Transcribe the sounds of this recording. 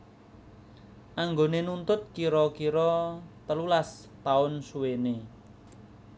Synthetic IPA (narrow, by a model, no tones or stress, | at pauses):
ʔaŋɡonenunt̪ʊt̪̚kiɾɔkiɾɔt̪əlulas | t̪aʊnsuwene